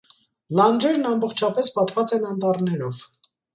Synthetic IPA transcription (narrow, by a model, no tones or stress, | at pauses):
lɑnd͡ʒɛɾnɑmbɔχt͡ʃʰɑpɛspɑt̪vɑt͡sɛnɑnt̪ɑrnɛɾɔv